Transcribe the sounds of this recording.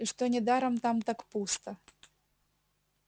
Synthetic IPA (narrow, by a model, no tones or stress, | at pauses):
iʂt̪onʲɪd̪aɾɐmt̪amt̪akpust̪ɐ